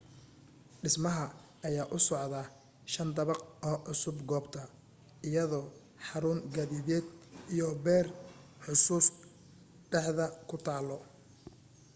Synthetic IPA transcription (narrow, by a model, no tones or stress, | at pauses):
ɖɪsmɐɦɐː | jaːʔʊsɔʕðɐ | ʃɐnd̪ɐβɑqɔːʔʊsʊbɡɔːbt̪ʰɐ | ɪjɐðɔː | ħɑɾʊːŋɡɐðiðɛːd̪ijɔbɛːrħʊsuːs | ɖɛħðɐkʰʊt̪ʰaːlɔ